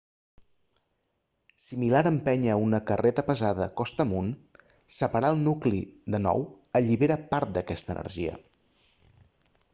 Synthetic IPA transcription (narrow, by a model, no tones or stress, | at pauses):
similaɾəmpɛɲəunəkərʔet̪əpəzaðəkɔst̪əmun | səpəɾaəlˠnukliðənɔ̰w | əʎiβeɾəpaɾt̪̚d̪əkɛst̪ə̰nʔə̰rʒiə̰